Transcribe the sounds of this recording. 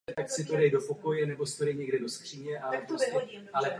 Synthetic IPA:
t̪aksɪt̪odɛjdo̞po̞ko̞jɛnɛbo̞st̪oɾɛjɲɛɡdɛdo̞skr̝̥iːɲɛʔalɛpɾoscɛʔalɛp

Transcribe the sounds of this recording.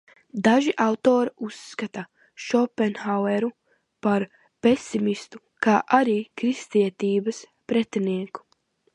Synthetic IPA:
d̪aʒiʔawt̪oːɾiusːkat̪a | ʃɔpɛnxawɛɾu | paɾ | pesimist̪u | kaːʔaɾiːkɾist̪iɛt̪iːbɐs | pɾɛt̪ɛniɛku̥

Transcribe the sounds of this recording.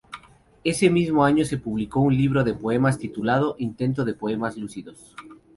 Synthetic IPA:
esemizmoaɲosepuβlikoũnliβ̞ɾoðepoemast̪it̪ulað̞oʔint̪ẽnt̪̬oðepoemazlusiðos

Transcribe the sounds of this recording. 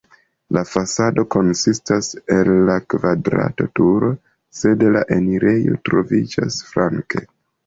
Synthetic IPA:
lafasado̞ko̞nsistase̞lːakvadɾa̰to̞tuɾo | se̞dlaʔe̞niɾe̞jo̞̰tɾo̞vid͡ʒa̰sfɾʔaŋke̞̰

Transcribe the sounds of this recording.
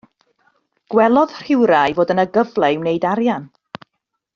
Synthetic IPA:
ɡ̥wɛlˠɔð̥r̥ɪwɾajvoːdənəɡəvlˠɛwnejdaɾjan

